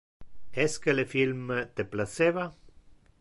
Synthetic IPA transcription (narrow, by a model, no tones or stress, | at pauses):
eskelefilmt̪eplaseβa